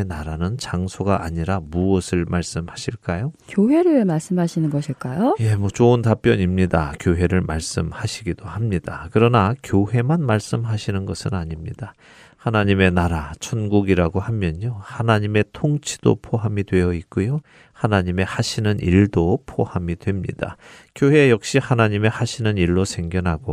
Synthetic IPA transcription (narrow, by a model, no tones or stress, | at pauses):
naɾanɯnt͡ɕaŋsʰoɡaʔːɲiɾamuʌsʰɯɭmaɭs͈ɯmhaɕʰiɭk͈ajokjoɦe̞ɾɯmaɭs͈ɯmɦaɕʰinɯnɡʌɕʰiɭk͈ajoje̞mʌt͡ɕoɯntap͈jʌɲimɲidakjoɦe̞ɾɯɭmaɭs͈ɯmhaɕʰiɡid̥ohamɲid̥akɯɾʌnakjoɦe̞manmaɭs͈ɯmɦaɕʰinɯnɡʌsʰɯnaɲimɲid̥a | hanaɲime̞naɾat͡ɕʰʌnɡuɡiɾaɡohamjʌɲohanaɲime̞tʰoŋt͡ɕʰi̥d̥o̰pʰoɦamidwe̞jʌik̚k͈ojo | hanaɲime̞haɕʰinɯnʔiɭdopʰohamidwe̞mɲḭd̥a̰kjoɦe̞jʌk̚ɕ͈ihanaɲime̞haɕʰinɯniɭːosʰe̞ŋɡjʌnɦaɡo